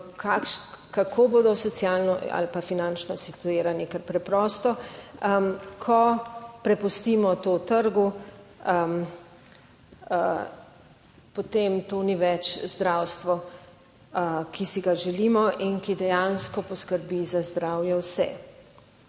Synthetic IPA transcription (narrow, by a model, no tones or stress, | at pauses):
kʰakʃkakʰoːboːd̪ɔsɔt̪sjalnɔa̰lpafinant͡ʃnɔsit̪ueːɾanikɛɾpɾɛpɾɔst̪ɔ | kʰɔpɾɛpust̪iːmɔt̪oːt̪əɾɡu | m | pot̪emt̪oːniʋɛt͡ʃzd̪ɾawst̪ʋɔ | kisiɡaʒɛliːmɔʔinkid̪ɛjanskɔpɔskəɾbizazd̪ɾawjɛwsɛ̰